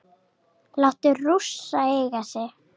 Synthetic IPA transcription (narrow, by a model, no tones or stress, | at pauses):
lawht̪ʏrusːaejɣasɛ